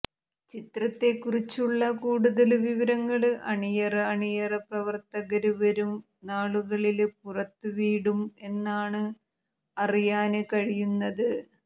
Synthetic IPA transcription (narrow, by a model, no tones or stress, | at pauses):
t͡ɕit̪rɐt̪ːe̞kːurit͡ɕːuɭːɐkuːɽuðɐlʋiʋɐɾɐŋːɐɭʔɐɳijɐrɐɐɳijɐrɐprɐʋɐrt̪ɐɣɐɾuʋɐɾum | naːɭuɣɐɭilpurɐt̪ːɨʋiːɽume̞nːaːɳɨ | ɐrijaːnɨkɐɻijunːɐðɨ